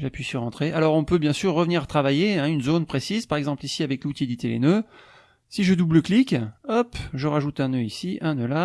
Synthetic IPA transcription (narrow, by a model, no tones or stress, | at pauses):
ʒapɥisyʁɑ̃t̪χeʔalɔʁɔ̃pøbjɛ̃syʁːəvniʁat̪χavajeɛ̃ynzonpχesizpaʁɛɡzɑ̃plisiavɛklut̪jed̪it̪elḛnø | siʒəd̪ubləklikɔpʒəʁaʒut̪ɛ̃nøisiʔɛ̃nøla